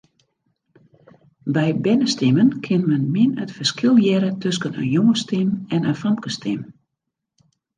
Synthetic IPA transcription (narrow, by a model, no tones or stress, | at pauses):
bɛjbɛnəstɪmənkʰɪnmɛnmɪnətfərskɪlˠjɛɾətʰøskənə̰njoŋəstɪmɛnəfɔmkəstʰɪm